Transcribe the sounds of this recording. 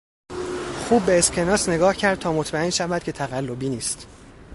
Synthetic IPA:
xuːbːeːscʰe̞nɒːsne̞ɡɒːhcʰæɾd̪̚t̪ʰɒːmot̪ʰmæe̞nʃævæd̪̚cʰe̞t̪ʰæɣælːo̞biːniːst̪

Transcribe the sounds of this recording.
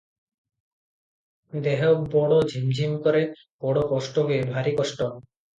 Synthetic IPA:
d̪eɦobɔɽod͡ʑʱimd͡ʑʱimkoɾe | bɔɽokɔʃʈoɦoebʱaɾikɔʃʈo

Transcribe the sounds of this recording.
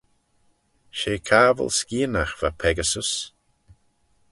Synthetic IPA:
ʃeːkʰaːvə̰lskiːənaxv̥apʰɛɡəsəs

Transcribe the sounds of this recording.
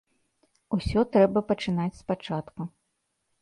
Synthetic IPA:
usʲɔt̪ɾɛbɐpɐt͡ʂɨnat͡sʲspat͡ʂat̪ku

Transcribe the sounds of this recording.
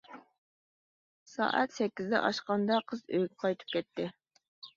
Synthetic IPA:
sɑ̰ːʔæ̰t̪sɛkʲːɪzd̪ɛ̰ʔɑʃqɑnd̪ɑqʰəzøjʲqʰɑjt̪ʰɨ̥p̚kʲɛt̪ːɪ

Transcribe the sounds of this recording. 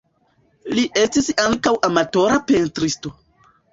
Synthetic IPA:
liʔe̞stisaŋkawʔamato̞ɾape̞ntɾisto̞

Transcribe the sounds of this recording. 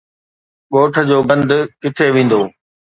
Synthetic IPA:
ɠoːʈʰə̆d͡ʑoːɡɐ̃nd̪kɪt̪ʰeʋẽːn̆d̪oː

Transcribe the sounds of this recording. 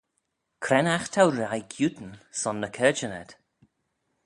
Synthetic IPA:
kʰɾɛnaxt̪ʰawɾajkʰjut̪n̩sɔnːəkʰɛːd͡ʒənɛ̰d̪̥

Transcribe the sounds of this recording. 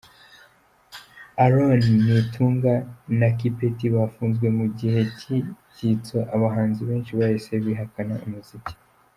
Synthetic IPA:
aɾoninitʰuːŋɡanakipetiβafuːnzɡwe̞muɟihe̞ciɟit͡soʔaβaɦaːnziβe̞ːnʃiβahise̞βiːɦakanaumuzici̥

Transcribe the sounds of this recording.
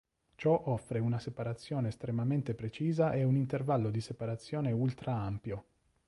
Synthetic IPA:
t͡ʃɔʔɔfːɾeunasepaɾat̪sːjɔːneːst̪ɾemament̪epɾet͡ʃiːzaʔɛunint̪ervalːod̪isepaɾat̪sːjɔːneult̪ɾaampjo

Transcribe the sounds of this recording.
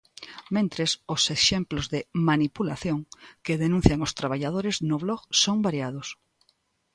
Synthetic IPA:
mẽnt̪ɾesoseʃemplozðemanipulaθjõŋkeðenũn̟θjaŋost̪ɾaβ̞aʎað̞oɾeznʊβlɔɣsoŋbaɾjað̞os

